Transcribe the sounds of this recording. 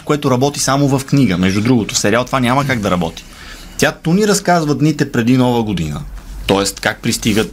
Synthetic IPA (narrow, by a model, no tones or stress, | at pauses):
koɛt̪oɾɐbɔt̪isamovɐfkniɡəmɛʒd̪ud̪ɾuɡot̪o̥fsɛɾialˠt̪ovanʲaməkaɡd̪ɐɾɐbɔt̪i̥ | t̪jat̪uniɾɐskazvəd̪nit̪ɛpɾɛd̪inɔvəɡod̪inə̰t̪ɔɛst̪kak̚pɾist̪iɡət̪